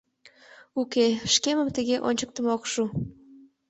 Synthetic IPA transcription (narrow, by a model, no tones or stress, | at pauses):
ukeʃkeməmt̪əɣeʔo̰nʲt͡ɕək̚t̪əmokʃu